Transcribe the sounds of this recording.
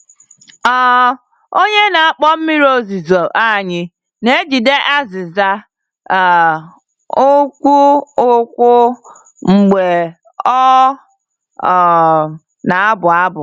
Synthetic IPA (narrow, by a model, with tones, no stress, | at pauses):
ɔ˦ | o˦ɲe˦na˨a˦˨k͡pɔ˦m̩˦mi˦ɾo˦zi˨zo˨ʔa˦˨ɲɪ˦ | ne˦d͡ʒi˨de˦ʔa˦zɪ˨za˦˨ | o˦kʷu˦ʊ˦kʷʊ˦ | ŋ͡m̩˨ɡ͡be˨ | ɔ˦˨ | na˨a˦bʊ˨a˦bʊ˨